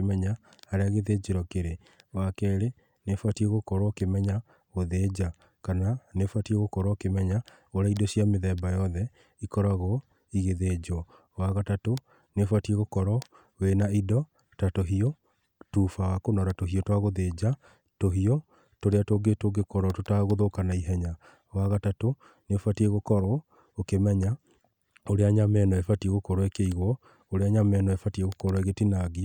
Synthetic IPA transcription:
emɛɲa | haɾeaɣeðed͡ʑeɾɔkeɾe | wakɛɾe | nefwatieɣokɔɾɔkemɛɲa | ɣoðed͡ʑa | kananefwatieɣokɔɾɔkemɛɲa | oɾaidɔɕiameðɛbajɔðɛ | ikɔɾaɣo | iɣeðed͡ʑɔ | waɣatato | nefwatieɣokɔɾɔ | ɣenaidɔ | tatoɦiɔ | tufawakonɔɾatoɦiɔtwaɣoðed͡ʑa | toɦiɔ | toɾeatoɡetoɡekɔɾɔtotaɣoðokanaiɦɛɲa | waɣatato | nefatieɣokɔɾwɔ | okemɛɲa | oɾeaɲamɛnɔɛfatieɣokɔɾwɛkeiɣwɔ | oɾeaɲamɛnɔɛfatieɣokɔɾwiɣetinaɣiɔ

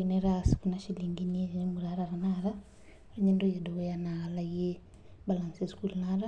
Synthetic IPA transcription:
inɛɾasi̥kunaʃiliŋɡiniimuɾaɾaɾanaɾa | ɾɛɲɛndɔjadɔɔjanaɣalajɛ | balansiskulnaɾa

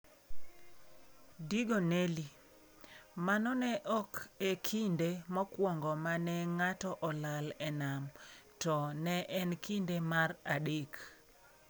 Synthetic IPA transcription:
diɡoneli | manɔnɛʔɔkekʰindemɔkwɔŋɡɔmanɛŋatɔʔɔlalɛnamtɔnɛʔɛnkindemaraɗek

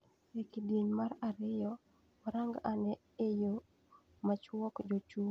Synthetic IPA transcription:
ekideɲmaɾaɾɪjɔ | ɔɾaŋɡanɛ | ejo | mat͡ʃwɔkd͡ʒot͡ʃu

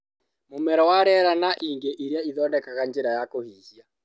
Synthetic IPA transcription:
momɛɾɔwaɾɛɾanaʔiːŋɡeʔiɾeaiðɔːndɛkaɣand͡ʒeɾajakohiːhja

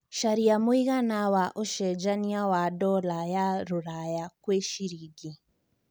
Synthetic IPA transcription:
ʃaɾijamuiɣanawaʔoʃɛd͡ʒaniawadɔlajaɾuɾajakweʃiɾiɡi

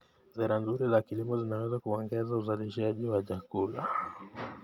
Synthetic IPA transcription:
zɛɾanzuɾilakilimɔzinawɛzakuɔŋɡɛzauzaliʃaʄiwaʄakula

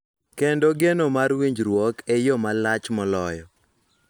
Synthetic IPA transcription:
kendoɡenomaɾwiɲd͡ʒɾwɔkejɔmalat͡ʃmɔlɔjɔ

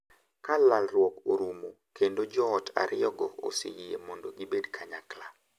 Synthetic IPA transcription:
kalalrwɔkoɾumo | kendod͡ʒɔːtʰa̰ɾʔɪɔɡɔo̰sḛjiemɔndoɡibedkʰaɲakla

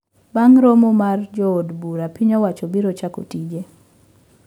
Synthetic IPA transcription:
baŋɾomomard͡ʒɔodbuɾapiɲɔwat͡ʃɔbiɾot͡ʃako̰tid͡ʒe

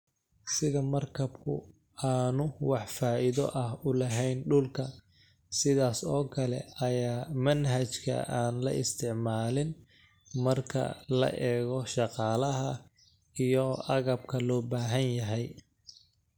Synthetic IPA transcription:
sɪðɐmɐrkʰɐbkʰʊ̰ | aːnʊwɑħfaːʔɪðɔʔɐhʊlɐɦɛjnɖʊlkʰɐ | sɪðaːsɔːkʰɐlɛ̰ɐjaːmɐnɦɐt͡ʃkʰɐ̰ʔaːnlɐ̰ʔɪst̪ʰɪʕmaːlɪn | mɐrkʰɐ̰lɐ̰ʔɛːɣɔʃɑqɑːlɐɦɐ | ijɔɐɣɐbkʰɐlɔːbaːɦɐnjɐɦɛj

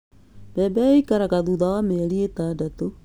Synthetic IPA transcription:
bɛbɛikaɾaɣaðuðawameɾietadato

